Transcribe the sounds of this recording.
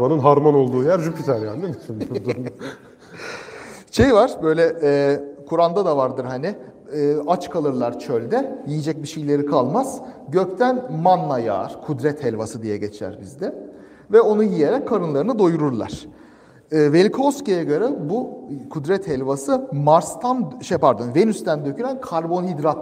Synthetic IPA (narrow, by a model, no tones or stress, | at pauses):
anɯnɦaɾmano̞lˠd̪uːjæɾd͡ʒukit̪ʰæɾjannemisimbud̪u | ʃe̞jvaɾ̥bø̞jlʲɛʔɛːkʰuɾand̪ad̪avaɾd̪ɯɾhanɪː | at͡ʃkʰalˠɯɾlˠaɾt͡ʃʰølʲd̪ɛjijid͡ʒɛc̚biʃejlʲe̞ɾikʰalˠmaz̥ɟøcʲt̪ʰænmanːˠaja̰ːɾ̥kʰud̪ɾɛt̪hɛlʲvasɯd̪ijɛɟɛt͡ʃʰæ̰ɾbizd̪ɛ | vɛo̞nujijeɾɛckʰːaɾɯnlˠaɾɯnɯd̪o̞juɾuɾlˠa̰ɾ̥ | ɯːvelʲkʰoscejaɡaɾɯbukʰud̪ɾɛt̪hɛlʲvasɯmaɾst̪ʰanʃepaɾd̪onvenyst̪ænd̪ø̞cʰyɾænkʰaɾbo̞nɦid̪ɾat̪